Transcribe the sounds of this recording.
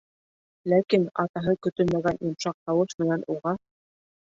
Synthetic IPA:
lækinɑt̪ɑɦɤkɵ̆t̪ɵlmæɡænjŏmʃɑq̚t̪ɑwɤʃmɘ̆nænuʁɑ

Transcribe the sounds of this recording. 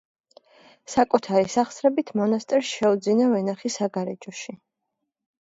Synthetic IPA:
sakʼut̪ʰaɾisaχsɾɛbit̪ʰmɔnast̪ʼɛɾsʃɛud̪zinavɛnaχisaɡaɾɛd͡ʒɔʃi

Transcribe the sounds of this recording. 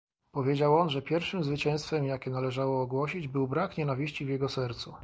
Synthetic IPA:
pɔvʲjed͡ʑawɔnʐɛpʲjɛɾfʂɘmzvɘt͡ɕɛ̃w̃st̪fɛmjakʲɛnalɛʐawɔːɡwɔɕid͡ʑbɘwbɾakɲɛnavʲiɕt͡ɕivʲjɛɡɔsɛɾt̪su

